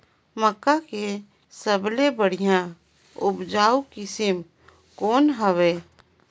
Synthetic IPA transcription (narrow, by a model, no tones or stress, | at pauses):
məkːake | səblebəɽ̤ijã | ʊbd͡ʒaːukɪsɪm | kɔːnɦəʋeː